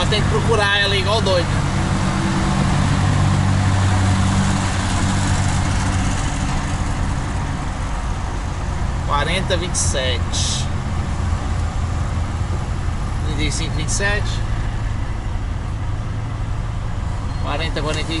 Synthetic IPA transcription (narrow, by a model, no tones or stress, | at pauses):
ɔʃt̪ẽj̃k̚pɾɔkuɾaɛlɐiɣwawˠd̪ojn | kwaɾẽnt̪ɐvĩnt̪sɛt͡ʃʃ | vĩnt̪isĩŋkvĩnt̪sɛt͡ʃ | kwaɾẽnt̪ɐkwaɾẽnt̪ɐ